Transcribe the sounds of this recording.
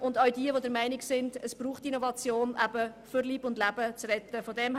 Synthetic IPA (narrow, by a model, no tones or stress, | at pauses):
ʔʊndɑɥdiəʋodəɾmæɪnɪksɪndəsb̥ɾuːχtinɔvɑt͡sjoːnʔæbəfʏɾliːbʊndlæbət͡srɛtəfɔdɛm